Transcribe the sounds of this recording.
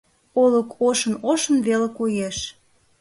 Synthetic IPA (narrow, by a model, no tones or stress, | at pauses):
oləkʰoʃə̆noʃə̆nβelekojeʃ